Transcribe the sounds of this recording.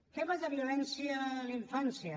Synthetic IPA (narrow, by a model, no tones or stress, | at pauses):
keβazaβjulɛnsjialiɱfansja